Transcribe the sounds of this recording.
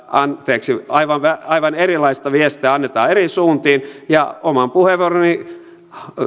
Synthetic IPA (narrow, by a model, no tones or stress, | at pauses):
ɑnt̪eːksiɑiʋɑnʋæɑiʋɑnerilɑist̪ɑʋiest̪eæɑnːet̪ɑ̰ːerisuːnt̪iːnjɑomɑmpuheʋoroni